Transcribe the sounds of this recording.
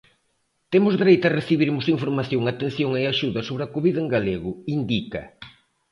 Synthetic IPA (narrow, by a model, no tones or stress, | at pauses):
t̪emʊzðeɾejt̪ɐreθiβiɾmʊsiɱfoɾmaθjoŋat̪enθjoŋeaʃuðɐsoβɾɐkoβiðɐeŋɡaleɣʊind̪ikɐ̰